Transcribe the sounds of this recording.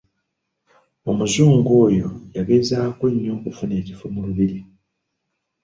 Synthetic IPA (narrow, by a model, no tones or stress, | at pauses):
o̞muzuːŋɡo̞ːjo̞̰jaβeːzaːkweɲːo̞kufune̞ːcifomuluβiɾi